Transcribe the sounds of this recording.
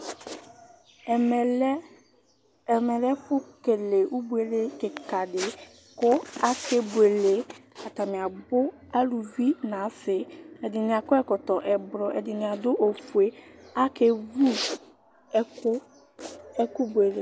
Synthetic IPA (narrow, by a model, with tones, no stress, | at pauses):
mɛ˨l | mɛ˨lɛ˦kʊ˦ke˨le˨ʔu˦bu˦e˨le˦kɪ˨ka˨dɪ˨ | kʊ˦a˦ke˦bu˨e˨le˨a˨ta˨mɪ̃˨a˨bʊ˦ | a˦lu˨vi˦nã˨˦sɪ˨ɛ˨dɪ˨nɪ̃˨a˨kʊ˦ɛ˦kɔ˨tɔ˨ʔɛ˨bɾɔ˨ʔɛ˨dɪ˨nɪ̃˨a˨dʊ˦ʔo˨fu˨e˨˦a˦ke˨vu˦ | ɛ˨kʊ˦ | ɛ˦kʊ˦bu˨e˨le˨